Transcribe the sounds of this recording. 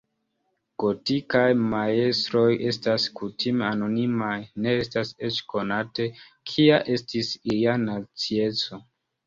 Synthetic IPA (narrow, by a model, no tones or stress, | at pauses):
ɡ̥o̞tikajmae̞stɾo̞je̞staskutʰimeano̞nimajne̞estase̞t͡ʃko̞nate̞ | kʰiaʔe̞stisijanat͡sie̞t͡so̞